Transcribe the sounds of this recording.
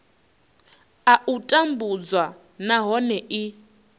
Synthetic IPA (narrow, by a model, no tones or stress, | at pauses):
aʔutʼambud͡zwa | naɦɔnɛʔi